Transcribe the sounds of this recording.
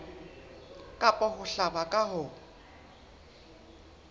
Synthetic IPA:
kʼapʼɔɦʊɬabakʼaɦʊ

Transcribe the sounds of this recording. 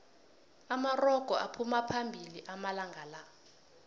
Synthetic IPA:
amarɔɡ̥ʱɔʔapʰumapʰambʱiliʔamalaŋɡʱala

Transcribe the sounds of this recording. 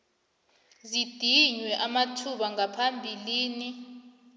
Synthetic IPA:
zid̥ʱiɲwɛʔamatʰuɓaŋapʰambʱiliːni

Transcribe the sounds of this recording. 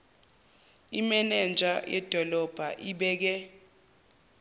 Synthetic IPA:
imɛnɛnd͡ʒʱa̰jɛ̰d̥ʱɔlɔb̥ʱaʔiɓɛːk̬ɛ

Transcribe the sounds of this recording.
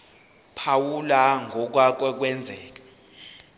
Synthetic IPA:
pʰawulaŋɔk̬wak̬ɛk̬wɛnd͡zʱɛːk̬ḁ

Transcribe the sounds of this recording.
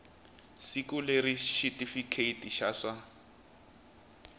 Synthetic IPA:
sikuleɾiʃitʼifikʰeitiʃasa

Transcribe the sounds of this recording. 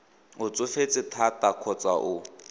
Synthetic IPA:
ʊt͡sʼʊfet͡sʼɪtʰatʼakʰɔt͡sʼaʔʊ

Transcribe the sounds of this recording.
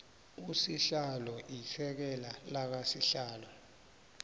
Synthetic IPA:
usiɬalɔʔifɛk̬ɛlalak̬asiɬaːlɔ

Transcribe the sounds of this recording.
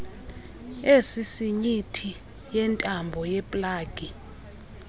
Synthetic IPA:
esisiɲitʰi | jɛntʼambʱɔjɛpʼlaːɡ̥ʱʼi

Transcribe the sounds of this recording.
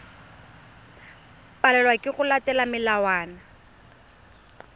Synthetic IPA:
pʼalɛlwakʼɪɣʊlatɛlamɪlawaːna

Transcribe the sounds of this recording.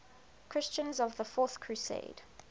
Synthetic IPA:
kʰɹ̥ɪst͡ʃə̃nzɔvðəfɔˑθkʰɹ̥usḛɪd̥

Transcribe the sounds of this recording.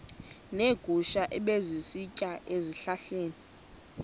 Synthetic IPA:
neɡ̥ʱuʃaʔɛɓezisicʼaʔeziɬaɬeːni

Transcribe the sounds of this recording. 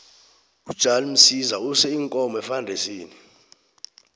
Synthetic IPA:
ud̥ʒ̥ʱalim̩sizausɛiŋkʼɔmɛfandʱesiːni

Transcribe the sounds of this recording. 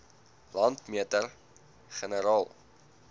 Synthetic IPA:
lɐntmiətər | χənəɾɑːlˠ

